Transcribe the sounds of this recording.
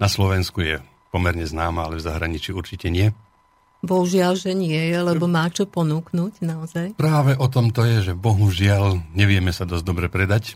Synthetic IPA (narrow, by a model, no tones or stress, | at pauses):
naslɔʋɛnskujɛ | pɔmɛɾɲɛznaːmaalɛvzaɦɾaɲit͡ʃiuɾt͡ʃicɛɲɪɛ | bɔɦuʒɪalʒɛɲɪɛjɛlɛbɔmaːt͡ʃɔpɔnuːknuːcnaɔzajpɾaːʋɛʔɔt̪ɔmt̪ɔjɛʒɛbɔɦuʒɪalɲɛʋɪɛmɛsad̪ɔzd̪ɔbɾɛpɾɛd̪ac